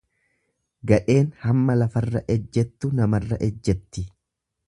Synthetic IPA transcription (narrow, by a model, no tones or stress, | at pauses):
ɡɐᶑe̞ːnhɐmːɐlɐfɐrːɐʔɛd͡ʒːɛt̪ːʊnɐmɐrːɐʔɛd͡ʒːɛt̪ːɪ